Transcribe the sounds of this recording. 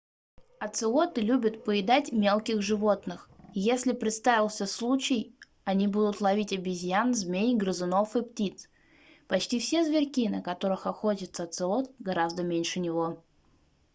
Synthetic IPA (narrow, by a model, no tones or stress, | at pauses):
ɐt̪sɨo̞t̪ɨlʲubʲɪt̪pəɪd̪atʲmʲe̞lˠkʲɪɣʐɨvo̞t̪nɨxjesʲlʲɪpɾʲɪt̪st̪avʲɪlˠsʲəslˠut͡ɕɪj | ɐnʲibud̪ʊt̪lˠɐvʲitʲɐbʲɪzʲjanzmʲenʲɡɾəzɨno̞fɨptʲit̪s | pɐt͡ɕtʲifsʲe̞zvʲɪrʲkʲinəkɐt̪o̞ɾɨxɐxotʲət̪səɐt̪sɨo̞t̪̚ɡɐɾazd̪əmʲenʲʂɨnʲɪvo̞